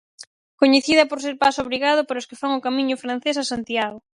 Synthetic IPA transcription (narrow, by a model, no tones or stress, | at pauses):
koɲeθiðɐpoɾs̬eɾpasoβɾiɣað̞ʊpaɾʊskɪfaŋʊkamĩɲʊfɾan̟θesasant̪jaɣo